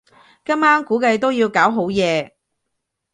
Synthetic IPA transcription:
kɐ˥maː˥ŋkuː˨˥kɐ˨˧jt̪o˥wjiː˧wkaː˨˥wɦo˨˥wjɛː˨˧

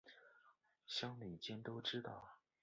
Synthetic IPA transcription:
ɕjɑ˥ŋli˨˩t͡ɕjɛ˥nt̪o˥ʊʈ͡ʂɻ̩˥t̪ɑ̰˥˩ʊ

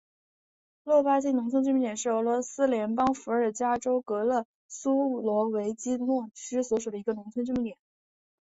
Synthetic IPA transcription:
lwɔ˥˩pa˥t͡ɕi˥nʊ˧˥ŋt͡sʰə˥nʈ͡ʂ̬̩˥˩mi˥˩t̪jɛ˨˩nʂɻ̩˥˩ɤ˧˥lwɔ˧˥sɹ̩˥ljɛ˧˥npɑ˥ŋfu˧˥ə˞˨˩t͡ɕja˥ʈ͡ʂo˥ʊkɤ˧˥lɤ˥˩ | su˥lwɔ˧˥we˧˥ɪt͡ɕi˥nwɔ˥˩ʈ͡ʂ̩˥swɔ˧˥ʂu˨˩ə˦i˧˥ɡə˧nʊ˧˥ŋt͡sʰə˥nʈ͡ʂmi˧˥t̪jɛ˨˩˦n

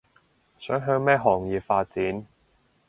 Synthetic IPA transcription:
sœː˨˥ŋɦœː˧ŋmɛː˥ɦɔː˨˩ŋjiː˨˩pfaː˧t̚t͡siː˨˥n

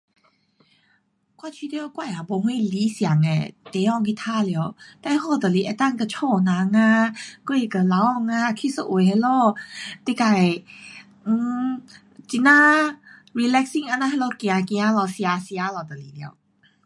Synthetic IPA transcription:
kwa˧˨t͡ɕʰi˧t̪e˧ɔ˧kwa˧˨ja˨bɔ˧ɦwĩ˥˦˨li˨˦sja˨˦ŋɛ̰̃˨t̪e˨˦ɔ˧˨ŋkʰi˧˨t̪ʰa˥˨li˧ə˧˨wt̪ɛ˧˦hɔ˧˨t̪ə˨li˧˨ʔɛ˧˩t̪a˥˧˨ŋkə˧˩t͡ɕʰɔ˧˩˨nã˨˦ŋa˧kːi˧˨kə˧˩la˨˦wɔ˧˨ŋa˧kʰi˧˥˨sə˧˨ʔwe˨hɛ˧˦lɔ˧t̪i˧˨ka˧˩˨j̩˧˨ | t͡ɕi˧˨nã˧˦˨ɹi˧˨lɛ˧k̚si˥˨ŋa˧˨nã˧ɦɛ˧lɔ˧kj̃ã˨˧kĩ˧a˧˦lɔ˧sĩ˧a˧si˧a˧˦lɔ˨˧˩t̪ə˨li˨li˧ə̰˧w

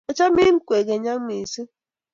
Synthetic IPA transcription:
e˨t͡ʃa˦mi˦ŋ̩˦kʷe˨ɡe˨ɲa˦ŋ̩˦mi˨si˦

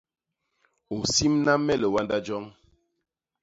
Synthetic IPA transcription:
o˨si˦mna˦mːɛ˦lə˨wa˦nda˦d͡ʒɔ˦ŋ

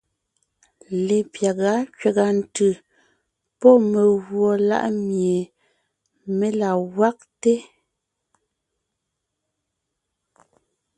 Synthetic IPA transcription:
le˨pja˨ɣa˨˦kɥe˨ɣa˨n̩˨tɯ˨ | pɔ˦me˨ɣwɔ˨la̰˦ʔmje˨ | me˦la˨ɣwa˦k̚te˦

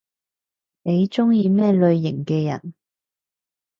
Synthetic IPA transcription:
ne˨˧jt͡sʊ˥ŋjiː˧mɛː˥˩lɵ˧ɥːɪ˨˩ŋkɛː˧jɐ̰˨˩n

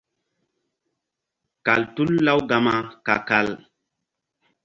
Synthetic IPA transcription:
ka˨ltu˦lːa˦wɡa˨ma˦ka̰˨ka˦˨l

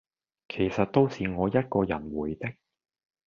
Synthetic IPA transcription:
kʰe˨˩jsɐ˨t̚t̪o˥wsiː˨ŋɔː˨˧jɐ˥t̚kɔː˧jɐ˨˩nwuː˨˩jt̪ɪ˥k̚

